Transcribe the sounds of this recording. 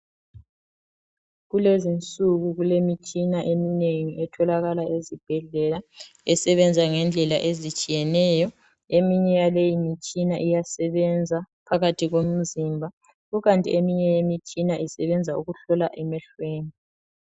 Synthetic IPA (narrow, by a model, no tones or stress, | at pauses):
ɣulezint͡sʼuɣuɣulemit͡ʃʼinaʔemineŋiʔɛtʰɔlaɣalaʔezib̥ʱɛɮɛla | ɛsɛβɛnd͡zʱaŋɛnd͡ɮʱɛla̰ʔezit͡ʃʼijɛnɛjɔ | emiɲɛjalejimit͡ʃʼinaʔijasɛβɛnd͡zʱapʰaɣatʰiɣom̩zimbʱa | ɣuɣantʼḭemiɲɛjemit͡ʃʼinaʔisɛβɛnd͡zʱauɣuɬɔlaʔɛmɛɬweːni